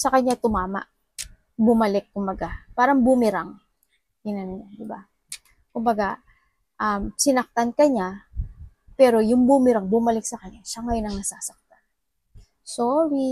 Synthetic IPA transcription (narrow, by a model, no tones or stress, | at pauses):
sɐkɐɲːat̪ʊmaːma̰ʔ | bʊmɐlɛkːʊmbɐɡapaːɾɐŋbʊmɪɾaŋ | ɪnɐnʊɲand̪ɪba | kʊmbɐɡa | ʔɐmsɪnɐk̚t̪ankɐɲa | pɛːɾo̞jʊŋbʊmɪɾaŋbʊmɐlɪk̚sɐkɐɲaʃaŋɐjonɐŋnɐsaːsɐk̚t̪an | soɾi